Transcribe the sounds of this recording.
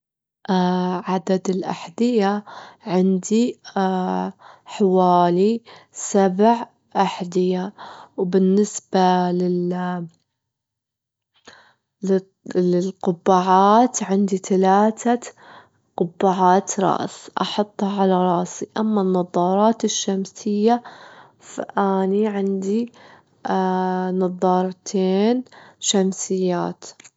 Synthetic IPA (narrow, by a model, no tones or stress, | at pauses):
ʔaʕad̪ad̪ɪlʔa̰ħd̪ɪjaʕɪnd̪i | ħawaːlisabʕ | ʔaħd̪ɪjawbɪnːɪsbalɪl | lɪlqʊbːaːʕaːt̪ʕɪnd̪it̪alaːt̪a | qʊbːaʕaːt̪ɾˤɑ̰ʔsʔɑ̰ħɑt̪ˤːhɑʕalaɾˤɑʔsiʔamːanːɑðˤɑːɾˤɑːt̪ɪʃːamsɪjːa | fa̰ʔaːniʕɪnd̪i | nɑðˤːɑːɾˤt̪ʰeːnʃamsɪjːaːt̪